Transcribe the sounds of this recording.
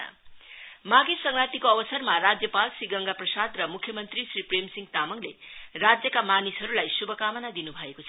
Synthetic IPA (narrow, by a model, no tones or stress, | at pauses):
maɡesʌŋɾat̪ikoʌbʌsʌrmaɾad͡zjʌpalsiɡʌŋɡaprʌsad̪rʌmukʰːjʌmʌnt̪ɾisɾipremsiŋt̪amʌŋlerad͡zjʌkamanisɦʌɾulajsubʱʌkamʌnad̪inubʱʌekot͡sʰ